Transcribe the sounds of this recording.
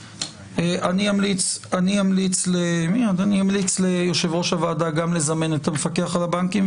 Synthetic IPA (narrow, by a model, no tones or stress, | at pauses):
eʔaniamlit͡saniamlit͡slemiod̪aniamlit͡slejo̞ʃe̞vʁo̞ʃavaːdaɡamle̞zame̞netamefake̞aχalabaŋkim